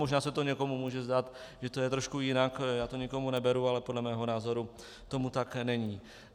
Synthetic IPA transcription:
moʒnaːsɛt̪oɲɛko̞mumuːʒɛzdaːt̪ʒɛt̪ojɛt̪ɾoʃkujɪnakjaːt̪oɲɪko̞munɛbɛɾualɛpodlɛmɛːɦo̞naːzo̞ɾu | t̪o̞mut̪aknɛɲiː

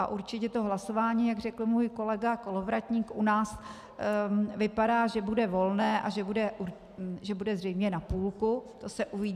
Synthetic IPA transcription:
aʔuɾt͡ʃɪcɛt̪o̞ɦlaso̞vaːɲiːjaɡr̝ɛkl̩muːjko̞lɛɡako̞lovɾacɲiːkʔunaːs | vɪpadaːʒɛbudɛvo̞lnɛːʔaʒɛbudɛʔuɾ | ʒɛbudɛzrɛjmɲɛnapuːlkut̪o̞sɛʔuvɪ

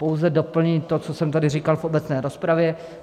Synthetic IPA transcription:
po̞wzɛdo̞pl̩ɲit̪o̞t͡sosɛmt̪adɪriːkalfʔo̞bɛt͡snɛːɾo̞spɾavjɛ

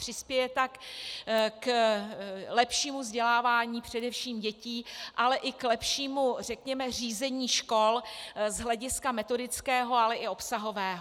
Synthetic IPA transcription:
r̥ɪspjɛjɛt̪ak | k | lɛpʃiːmuvzɟɛlaːvaːɲiːpr̝̥ɛdɛfʃiːmɟɛciːʔalɛʔɪklɛpʃiːmur̝ɛkɲɛmɛriːzɛɲiːʃko̞lzɦlɛɟɪskamɛt̪o̞dɪt͡skɛːɦo̞alɛʔɪo̞psaɦo̞vɛːɦo

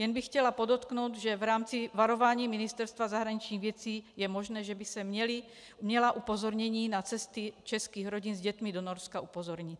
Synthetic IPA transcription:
jɛnbixːcɛlapod̪ot̪knowt̪ʒɛvɾaːmt͡sivaɾovaːɲiːminist̪ɛɾst̪ʋazaɦɾaɲit͡ʃɲiːɣʋjɛt͡siːjɛmɔʒnɛːʒɛbisɛmɛli | mɲɛlaʔupozɔɾɲɛɲiːnat͡sɛst̪it͡ʃɛskiːɣɾoɟinzɟɛt̪mid̪onɔɾskaupozɔɾɲit̪

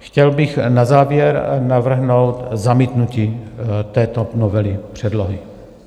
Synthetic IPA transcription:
xcɛlbɪxnazaːvjɛɾnavr̩ɦnowt̪zamiːt̪nuciːt̪ɛːt̪onovɛlɪpr̝̥ɛdloɦɪ

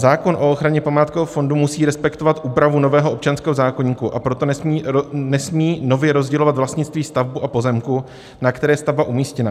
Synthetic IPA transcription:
zaːko̞nʔo̞oxɾaɲɛpamaːt̪koɛofo̞ndumusiːɾɛspɛkt̪o̞vat̪ʔuːpɾavuno̞vɛːɦoopt͡ʃanskɛːɦozaːko̞ɲiːkuʔapɾot̪o̞niːnɛsmiːno̞vjɛɾo̞zɟɛlovat̪vlast̪ɲɪt̪t͡st̪viːst̪avbuʔapo̞zɛmku | nakt̪ɛɾɛːjɛst̪avbaʔumiːscɛna

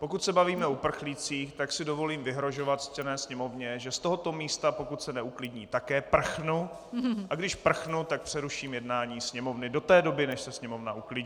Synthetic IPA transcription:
po̞kut̪sɛbaviːmɛupr̩xlit͡siːxt̪aksɪdo̞vo̞liːmvɪɦɾo̞ʒo̞vat̪scɛnɛːsɲɛmo̞vɲɛʒɛst̪oɦo̞t̪o̞miːst̪apo̞kut̪sɛnɛuklɪdɲiːt̪akɛːpr̩xnu | ʔaɡdɪʃpr̩xnut̪ak̚pr̥ɛɾuʃiːmjɛdnaːɲiːsɲɛmo̞vnɪdo̞t̪ɛːdo̞bɪnɛʃsɛsɲɛmo̞vnaʔuklɪɲː

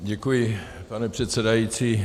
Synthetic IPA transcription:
ɟɛkujɪ | panɛpr̥ɛt̪sɛdajiːt͡siː

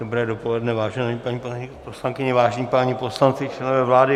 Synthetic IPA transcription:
dobɾɛːdopo̞lɛdnɛvaːʒɛnapaɲiːpoposlaŋkɪɲɛvaːʒɛɲipaːɲiposlant͡sɪt͡ʃlɛnovɛːvlaːdɪ

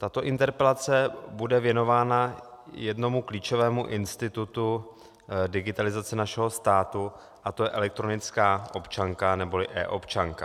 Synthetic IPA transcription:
t̪at̪o̞ʔɪnt̪ɛɾpɛlat͡sɛbudɛvjɛno̞vaːnajɛdno̞mukliːt͡ʃo̞vɛːmuʔɪnst̪ɪt̪ut̪u | dɪɡɪt̪alɪzat͡sɛnaʃɛɦo̞st̪aːt̪u | ʔat̪ojɛʔɛlɛk̚t̪ɾo̞nɪt͡skaːʔo̞pt͡ʃaŋkanɛbo̞lɪʔɛ̰ːʔo̞pt͡ʃaŋka

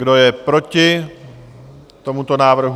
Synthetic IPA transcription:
ɡdo̞jɛpɾo̞cɪ | t̪o̞mut̪o̞naːvr̩ɦ

